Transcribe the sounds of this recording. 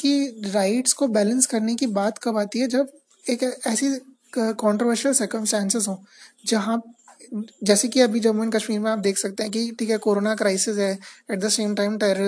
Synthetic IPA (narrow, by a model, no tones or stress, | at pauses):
kiɾaɪʈskobɛːlə̃nskɐɾnekibaːt̪kɐbaːt̪iɦɛd͡ʒɐb | eːkɛːsi | kɔ̃ːɳʈɾoʋəɾʃəlsəɾkə̃msʈɛ̃ːnsɪzɦõːd͡ʒɐɦã | d͡ʒɛːsekiɐbʱid͡ʒɐʋmə̃nkɐʃmiːɾmẽaːp̚d̪eːkʰsɐk̚t̪ẽɦɛ̃k̬iʈʰiːkɦɛkoːɾoːnakɾaɪsɪzɦɛːɛʈ̚d̪əsẽːmʈaɪ̃mʈɛːɾəɾ